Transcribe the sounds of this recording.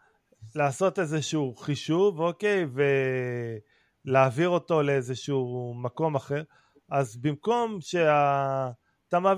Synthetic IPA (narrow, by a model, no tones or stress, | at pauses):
laːso̞tezeʃuuχiʃuvoke̞jve̞ | leaːviʁo̞to̞leezeʃumako̞maχe̞ʁ | ʔazbimko̞mʃe̞a | t̪ama